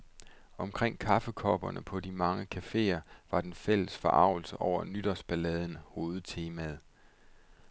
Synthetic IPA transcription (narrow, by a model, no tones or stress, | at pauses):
ɒ̽mkʰʁeŋ̰kʰɑ̈fəkʰɒːb̥ɐnəpʰɒ̽d̥imɑ̈ŋəkʰæfe̝̰ːɐʋɑ̈d̥enfel̰əsfɒ̽ʔɑ̈ʊ̰l̩səʔɒʊ̰ɐnyd̥ɒ̽sb̥ælɛð̞ˠən̩ho̝ːð̞̩ˠt͡sʰe̝ːmæð̞ˠ